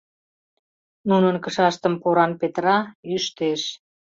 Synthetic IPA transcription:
nunənkə̆ʃɑʃt̪ə̆mpoɾɑnpet̪ɾɑyʃt̪eʃ

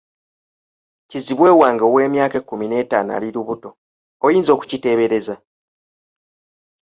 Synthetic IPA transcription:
ciziβwe̞ːwaːŋɡowe̞ːmjaːkekːumine̞ːta̰ːna̰liɾuβuto̞ | ojiːnzo̞ːku̥cite̞ːβe̞ɾe̞za

